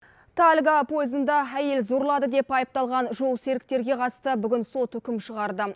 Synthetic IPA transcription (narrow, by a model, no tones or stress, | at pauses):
t̪ʰalʲɡapʰo̞jəzənd̪ɑæje̞lzoɾlˠɑd̪əd̪e̞pɑjəp̚t̪ɑlˠʁɑnʒo̞lˠse̞ɾɪk̚t̪e̞ɾɡʲe̞qʰɑt̪əst̪əbʏɡʲɪnso̞t̪ʏkʲɪmʃəʁɑɾd̪ə